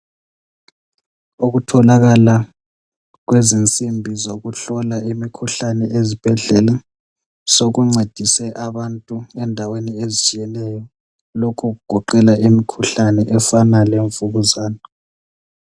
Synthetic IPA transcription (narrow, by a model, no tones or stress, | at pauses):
uɣutʰɔlaɣala | ɣwezint͡sʼimbʱizoɣuɬɔlaimikʰuɬanɛʔezib̥ʱɛɮɛla | soɣuŋ͡ǀʱed̥ʱisɛʔaβantʼuɛndʱaweniezit͡ʃʼijɛlɛjɔ | lokʰuɣuɡ̥ʱɔǃɛlaʔimikʰuɬanɛʔɛfanaleɱfuɣuzaːna